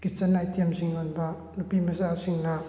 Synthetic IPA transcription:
kit͡ʃɐnajtiemsʰiŋanbɐ | nupimɐzasiŋnɐ

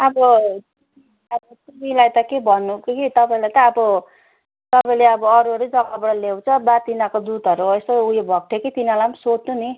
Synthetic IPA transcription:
ʌbʌti | i | ʌbʌt̪imilajt̪ʌkebʱʌnːukkit̪ʌpaĩlajt̪ʌːbʌ | t̪ʌpaĩleʌbʌːɾuʌɾud͡zʌkabʌɽʌlew̃t͡sʰʌbat̪inakod̪ud̪ʱʌɾuʌst̪oujobʱʌk̚ʈʰeket̪inalamsonuni

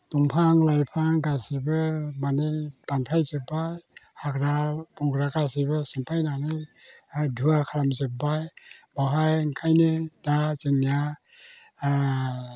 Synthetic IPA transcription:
tuŋpʰaŋlajpʰaŋɡasibɯmanɯjbanpʰajzɯbajhakɾabɔŋɡɾakasibɯsɯmpʰajnanɯj | dʱuakʰaɾamzɯp̚bajbaɦajŋkʰajnedazɯŋnija

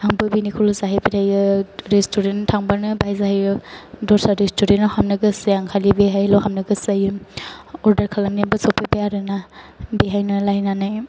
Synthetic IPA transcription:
aŋbɯbinikʰulɔzaɦepitʰajɯɾestuɾentʰaŋbanɯbajzaɦajɯdɔɾsaɾestʰuɾenɔhamnɯɡɯsejaŋkʰalibeɦajlɔwhamnɯɡɯsajɯ | ɔɾdaɾkʰalamniabɯsɔpebejaɾɯnabeɦajnɔlajnanɯj

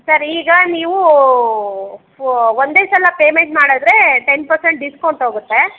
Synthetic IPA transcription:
sɐɾiːɡɐniːʋu | ʋond̪eːsɐlɐpeːmeɳʈmaːɽɐd̪ɾe̞ʈenpɐɾseɳʈ̚ɖiskɐwɳʈɦoːɡut̪ːe̞

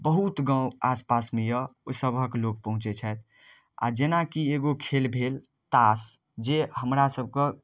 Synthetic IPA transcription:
bəɦut̪ɡãaspasmejəsəbʱəklok̚pəɦũt͡ʃet͡ʃʰɛt̪̚ʰ | a̰d͡ʒenakieɡokʰelbʱel | t̪as | d͡ʒeɦəmɾasəb̚ʱkə

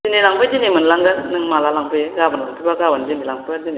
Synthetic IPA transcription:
zinilaŋpʰɯjzinemɯnlaŋɡanɯŋmalalaŋpʰɯjɡabanlaŋpʰibaɡabanzinilaŋpʰazine

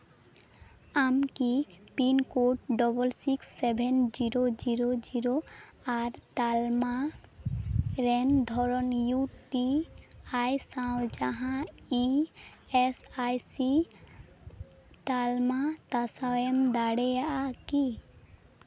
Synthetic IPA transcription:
amkipinkoʈ̚ɖɔbəlsiksːebʱend͡ʒiɾod͡ʒiɾod͡ʒiɾo | aɾt̪alma | ɾɛnd̪ʱɔɾɔnjuʈiajsãʊ̃d͡ʒaɦãi | esajsi | t̪almat̪asaemd̪aɽejaʔaki

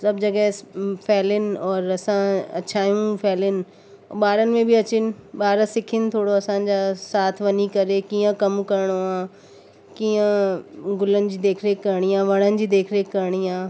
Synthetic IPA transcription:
sɐbd͡ʑɐɡɛsfʰɛːlɪnɪ̆ɔːɾɐsãɐ̰t͡ɕʰaːijũpʰɛːlɪnɪ̆ | ɓaːɾənɪ̆mẽbiɐt͡ɕɪnɪ̆ɓaːɾsɪkʰɪnɪ̆t̪ʰoːɽoɐsãɲ̆d͡ʑaːsaːt̪ʰʋɐɲikɐɾekiːə̃kɐmkɐɾɪɽ̃oaː | kiːə̃ɡʊlənɪ̆d͡ʑiːd̪eːkʰɾeːkkːɐɾɽ̃iãːʋɐɽ̃ənɪ̆d͡ʑiːd̪eːkʰɾeːkːɐɾɽ̃iãː

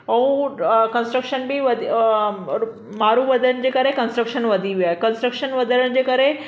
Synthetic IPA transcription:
ɐũkə̃nsʈɾəkʃənbʱiʋɐd̪ʱ | maɾũʋɐd̪ʱənd͡ʑekəɾekə̃nsʈɾəkʃənʋɐd̪ʱiʋiaːɦekənsʈɾəkʃənʋɐd̪ʱəɾəɽ̃d͡ʑekəɾe

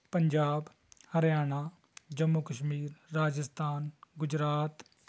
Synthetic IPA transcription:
pəɲd͡ʒaːb | həɾjaːnaː | d͡ʒəmːukəʃmiːɾːaːd͡ʒəst̪ʰaːnɡʊd͡ʒɾaːt̪

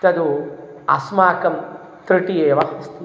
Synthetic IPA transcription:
t̪ɐd̪u | ɐ̰smaːkɐm | t̪ɾiʈieːʋɐhist̪i

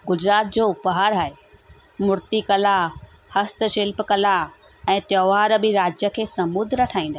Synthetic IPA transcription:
ɡʊd͡ʑɾaːt̪̚d͡ʑoːʊpəɦaːɾɦaːɦe | mʊɾt̪ikɐla | hɐst̪̆ʃɪlpkɐla | ɛ̃ːt̪jɔːʋaːɾbɪɾaːd͡ʑjəkʰeːsɐmʊd̪ʱɾəʈʰaːĩːn̆d̪a

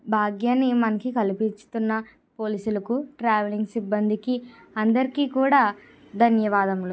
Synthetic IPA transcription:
bʱaːɡjanimɐnɐkikɐlipit͡ʃu̥t̪unːɐ | po̞ːliːsulɐkuʈɾaːʋɐliŋɡsibːɐnd̪iki | ɐnd̪ɐɾikiːkuːɽaː | d̪ʱɐnjɐʋaːd̪ɐmlu

